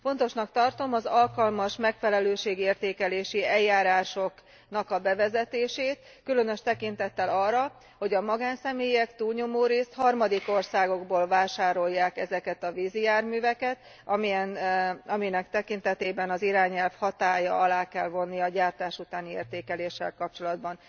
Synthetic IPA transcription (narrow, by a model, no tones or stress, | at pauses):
fo̞nt̪o̞ʃnɒkt̪ɒrt̪o̞mɒzɒlkɒlmɒʃmɛkfɛlɛløːʃeːɡeːrt̪eːkɛleːʃiɛjːaːɾaːʃo̞k | nɒkɒbɛvɛzɛt̪eːʃeːt̪ | kylønø̞ʃt̪ɛkint̪ɛt̪ːɛlɒrːɒ | ho̞ɟɒmɒɡaːnsɛmeːjɛkt̪uːlɲo̞moːɾeːst̪hɒrmɒd̪iko̞rsaːɡo̞ɡboːlvaːʃaːɾo̞jːaːkɛzɛkɛt̪ɒvizijaːrmyːvɛkɛt̪ | ɒmiɛnɒminɛkt̪ɛkint̪ɛt̪eːbɛnɒziɾaːɲɛlfhɒt̪aːjɒ̰ɒlaːkɛlvo̞nːijɒɟaːrt̪aːʃut̪aːniḛːrt̪eːkɛleːʃːɛ̰lkɒp̚t͡ʃo̞lɒd̪bɒn